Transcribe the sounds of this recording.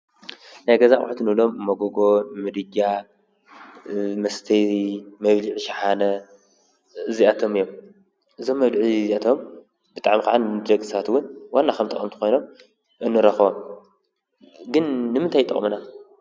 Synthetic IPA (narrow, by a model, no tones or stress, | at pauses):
najɡɐzaʔʼħt̪ʰɨnɨlo̞mːɐɡoɡo̞mɨd̪ɨɟa | mɐst̪ʰɐɾimɐβliʕʃaħanɐ | ɨziat̪ʰo̞mɨjːom | ʔɨzo̞mːɐβd̪ʕiziat̪ʰo̞m | b̥ɨt̪ʼaʕmikaʕanddɐkʼɨ̥sɐβat̪wʊnwanːakʰɐmt̪ʼɐ̰kʼɐmt̪ʰɨ̥xo̞jno̞m | ʔɨnːɨɾɐxβom | ɡɨnːɨmɨnt̪ʰajt̪ʼɐ̰χʼmɨna